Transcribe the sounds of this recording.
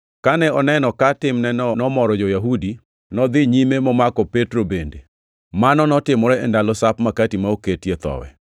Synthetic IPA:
kanɛɔnɛnɔkatɪmnɛnɔnɔmɔɾɔd͡ʒɔjaɦudi | nɔd̪ɪɲimemɔmakɔpetɾobende | manɔnɔtɪmɔɾɛɛndalɔsapmakatimaoketjet̪ɔ̰wɛ̰

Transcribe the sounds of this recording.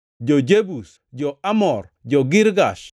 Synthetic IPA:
d͡ʒod͡ʒebus | d͡ʒɔamɔr | d͡ʒɔɡɪɾɡaʃ

